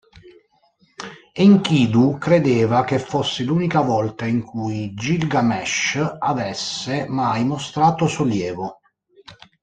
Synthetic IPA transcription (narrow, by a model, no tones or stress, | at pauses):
iŋkiːd̪ukɾed̪eːvak̟efːosːɪluːnikavɔlt̪aiŋkʰujd͡ʒilɡamɛʃavɛsːemajmost̪ɾaːt̪osoljɛːvo